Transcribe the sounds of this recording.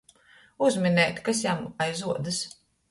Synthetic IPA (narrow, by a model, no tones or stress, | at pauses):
uzminɛːt̪ʲkasjamajzuɔd̪ɨs